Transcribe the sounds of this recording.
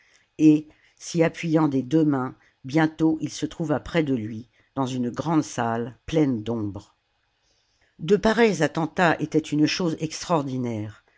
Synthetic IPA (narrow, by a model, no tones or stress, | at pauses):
e | siapɥijɑ̃d̪ed̪ømɛ̃ | bjɛ̃t̪oʔilsət̪χuvapχɛd̪əlɥi | d̪̥ɑ̃zynɡʁɑ̃d̪salplɛnd̪ɔ̃bʁ | d̪əpaʁɛjzat̪ɑ̃t̪aʔet̪ɛt̪ynʃozɛkst̪χɔʁd̪inɛːʁ